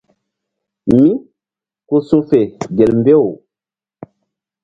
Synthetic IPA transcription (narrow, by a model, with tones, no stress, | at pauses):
mi˦ | ku˦su˦fe˨ɡe˨lmbe˦˨wu˨